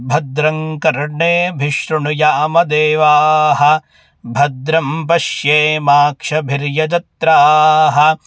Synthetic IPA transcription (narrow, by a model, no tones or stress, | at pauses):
bʱɐd̪ɾɐŋkɐɾɳeːbʱiʃɾuɳujaːmɐd̪eːʋaːɦɐ̆ | bʱɐd̪ɾɐmpɐʃjeːmaːkʂɐbʱiɾjɐd͡ʒɐt̪ɾaːɦɐ̆